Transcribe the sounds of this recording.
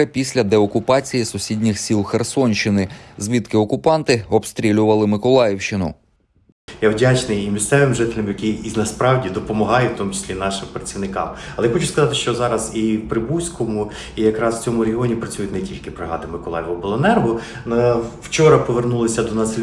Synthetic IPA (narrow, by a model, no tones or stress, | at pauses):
ɪpʲisʲlʲɐd̪ɛɔkʊpɑt͡sʲijisʊsʲidʲnʲɪxsʲilˠxersɔnʲʃt͡ʃɪnɪzʲʋʲit̪kɪɔkʊpɑnt̪ɪɔbst̪ɾʲilʲʊʋɐlˠɪmɪkɔlˠɑjɪwʃt͡ʃt͡ʃɪnʊ̰ | jawdʲat͡ʃnɪjimʲist̪sɛʋɪmʒɪt̪ɪlʲɐmjɐkʲiiznɐspɾɑwdʲid̪ɔpɔmɐɦɑjʊwt̪ɔmut͡ʃɪ̥sʲlʲinɑʃɪmpɾɐt͡sʲiʋnɪkɑ̰mɐlˠɛjaxɔt͡ʃʊskɐzɑt̪ɪʃt͡ʃɔzɑɾɐziwpɾɪbusʲkɔmʊ | ijɐkɾɑsw̥t͡sʲɔmʊɾʲeɦʲɪɔnʲipɾɐt͡sʲujʊt̪ʲnetʲilʲkɪpɾɐɦɑ̰d̪ɪmɪkɔlˠɑ̰jɪʋʊbɔlˠɔnɛrɦʊ | wt͡ʃɔɾɐpɔʋernulˠɪsʲɐd̪ɔnɑsɪ